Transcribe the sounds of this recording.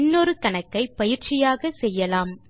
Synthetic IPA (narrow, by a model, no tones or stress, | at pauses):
nːɔɾɯkɐɳɐkːɐɪpɐjɪɾt͡ʃɪjaːɣɐsɛjːɐlaːm